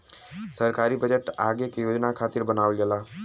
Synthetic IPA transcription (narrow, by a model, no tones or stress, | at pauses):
səɾkaːɾibəd͡ʒəʈaːɡekjoːd͡ʒnakʰaːt̪ɪɾbənaːʋəlɡəlaː